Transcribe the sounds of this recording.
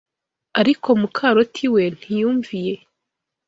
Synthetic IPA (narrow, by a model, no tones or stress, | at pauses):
aɾikʰo̞mukʰaɾotʰiwe̞n̥hijuːɱvije̞